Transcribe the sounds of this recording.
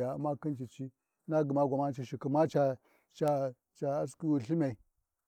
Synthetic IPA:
a˨a˨mːa˦ki˦nt͡ʃi˨t͡ʃi˦ | na˦ɡə˨ma˦ɡʷa˨ma˦n˦t͡ʃi˨ʃi˨ki˨ma˦t͡ʃa˨ | t͡ʃa˨ | t͡ʃa˨a˦s̬ki˦wu˨ɬi˦ma˨i˨

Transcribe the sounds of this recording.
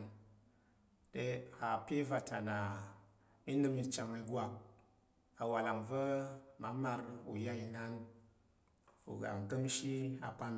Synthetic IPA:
n | de˦ha˨pe˦va˨ta˨na˨ | mi˦nɨ˦mi˨t͡ʃa˨ŋa˧˦ɡwa˨ | a˨wa˨la˨ŋvə˦ma˨˦ma˧ɾṵ˨ja˦i˧na˦n | ṵ˨ɡa̰˨ŋ˨ɡə˦mʃi˦a˨pa˦m

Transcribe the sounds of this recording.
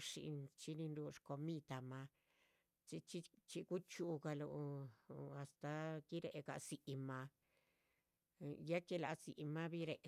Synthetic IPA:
ʂḭ˧t͡ʃi˧nĩ˧nɾu˧ʂko˧mĩ˦˧t̪a˧mã˧ | t͡ʃi˧t͡ʃi˦t͡ʃi˧ku˦t͡ʃu˧ka˧lu˧a˧st̪a˧ki˦ɾe˧ʔe˧ka˧si˧ʔi˧mã˧ | ja˦ke˦˧la˧si˧ʔi˧mã˦βi˦ɾe˧ʔ

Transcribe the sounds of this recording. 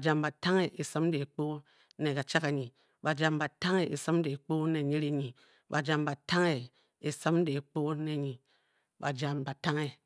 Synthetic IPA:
d͡ʒa˨mba˨ta˦ŋe˦ʔe˨sa˦m˦de˨k͡po˦ | ne˨ka˨t͡ʃa˦ka˨ɲi˨ | ba˨d͡ʒa˨mba˨ta˦ŋe˦ʔe˨sa˦m˦de˨k͡po˦ne˨ɲi˦ɾe˦ɲi˨ | ba˨d͡ʒa˨mba˨ta˦ŋe˦˨ | e˨sa˦m˦de˨k͡po˦ne˨ɲi˨ | ba˨d͡ʒa˨mba˨ta˦ŋe˦

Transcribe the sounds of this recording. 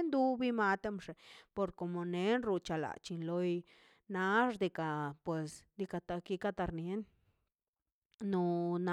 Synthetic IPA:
nd̪u˧bi˧ma˧t̪e˦mʂe˨po˧ɾko˨mo˨ne˦nɾu˧t͡ʃa˧la̰˨t͡ʃi˧nlo˧j | na˧ʐd̪i˧ka˨pwe˨sd̪i˧ka˧t̪a˧ki˧ka˦t̪a˧ɾnje˦n | o˧na˨

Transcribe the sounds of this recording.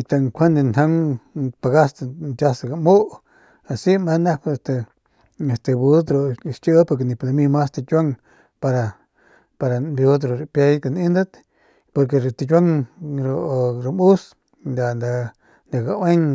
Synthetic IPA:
i˧t̪a˧ŋkʷʰa˦nd̪e˧na˦ŋpa˨ɡa˦st̪t͡ʃa˦sa˧ɡa˨mu˦ʔ | a˨si˦ma˧˦na˦kst̪e˨ | e˨st̪e˧bu˦t̪ɾo˧ʃt͡ʃə˦po˧k̬e˧ni˧˨pla˧mi˧ma˦st̪a˧t͡ʃʲa˦ŋ | pa˧ɾa˧ | pa˧ɾa˨bu˧d̪̬ɾo˨ɾpja˧jka˧˨ni˦nd̪a˦t̪ | po˧ɾk̬e˧ɾt̪i˧t͡ʃʲʷa˦ŋɾo˧ʔɾa˧mu˦s | nd̪a˨nd̪a˧ | nd̪a˨ɡa˧we˦ŋ

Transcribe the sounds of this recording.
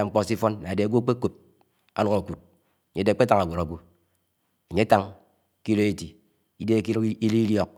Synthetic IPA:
a˨ŋ͡m̩˦k͡pɔ˦˨si˦fɔ˦nna˨de˨ɡʷo˦k͡pe˦ko˨p̚ | a˦nɔ˦ɣo˨ku˨t̚ | a˨ɲe˦de˨˦k͡pe˦ta˦ŋa˨ɡʷo˨ɾa˨ɡʷu˦ | a˨ɲe˦a˦ta˦ŋ | ki˦lo˦e˦ti˨ | i˦de˦ki˦lki˦li˦ljɔ˦k̚

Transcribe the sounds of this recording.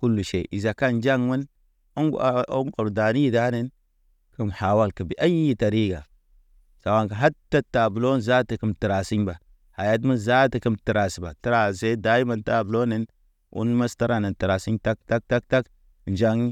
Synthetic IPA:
ku˦lːu˨ʃḛ˨ʔi˨za˨ka˦n˦d͡ʒa˦ŋmə˦n | o˦ŋ˨o˦ŋko˨ɾda˨ni˦i˦˨da˦ne˦n | ki˦mha˨wa˦lkə˨bi˨˦ʔa˦ji˦ta˨ɾi˦ɡa˨ | sa˨wa˨ŋka˨ɦa˦tːa˦tːa˨bu˨lo˦n˨za˦ti˨ki˦mti˨ɾa˨si˦ɲba˨ | ha˨ja˦t̬mu˦nza˦ti˨ki˦mti˨ɾa˨si˨ba̰˨ti˦ɾa˨se˦da˦ji˦ma˦nta˨bu˨lo˦ne˦n | ṵ˦nma˦sta˦ɾa˨ne˨ti˨ɾa˨si˦ta˦k̚ta˦k̚ta˦k̚ta˦k | nd͡ʒa˦ŋ˦

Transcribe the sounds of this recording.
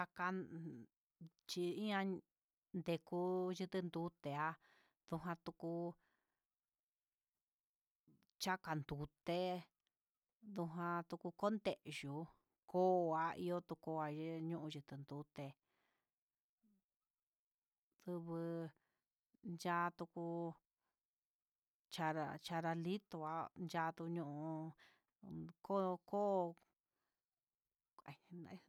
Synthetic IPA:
a˧ka˧ | t͡ʃi˧ĩ˦ã˧ | nd̪e˧ku˧ʒɨ˧t̪ɨ˧nd̪u˧˦t̪e˨a˧ | ð̥u˧ɦã˧t̪u˧ku˧ | t͡ʃa˦ka˨nd̪u˨t̪e˦ | ðu˧ɦã˧t̪u˧ku˧ko˦nd̪e˨ʔʒu˨ | koː˦˧a˧ḭ˧o˦t̪u˧ko˧a˧ʒe˦ɲũ˦ʔũ˧ʒɨ˧t̪ɨ˧nd̪u˨˦t̪e˧ | ðɨ˧βɨ˧ | nd͡ʒaː˧t̪u˧ku˧ | t͡ʃa˧ɾa̰˧t͡ʃa˧ɾa˧li˦t̪o˧a˦nd͡ʒa˧t̪u˧ɲũ˦˧ũ˧ | ko˦˧ko˦˧ | a˨˧nã˧

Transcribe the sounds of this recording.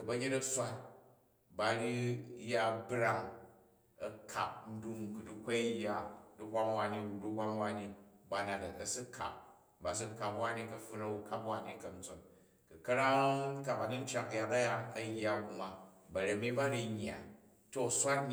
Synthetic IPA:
kɐ˨bɐ˧ɡʲe˦tɐ˦sʷa˦t̚ | ba˨ɾi˦ja˦bɾa˦ŋ | ɐ˨kʰa̰˨p̚n̩˦du˧ŋku˨du˦kʷa˦jːa˨du˦hʷa˦ŋwa˦ni˦u˨du˦hʷa˦ŋwa˦ni˦ba˨na˨tɐ˨ɐ˨si˦kʰa̰˨p̚ | ba˨s̬u˦ka˨pwa˦ni˦kɐ˨ɸu˦nɐ˦wu˧ka˦pwa˦ni˦kɐ˨n̩˦t͡so˨n | kɨ˨kɐ˦ɾa˦ka˨ba˨di˦n̩˦t͡ʃa˨kja˨tɐ˦ja˦ɐ˨jːa˨bu˧ma˨bɐ˨ɾe˨mi˦ba˦ɾi˦˧ɲː˨a̰˨ | to˦˨sʷa˦tn

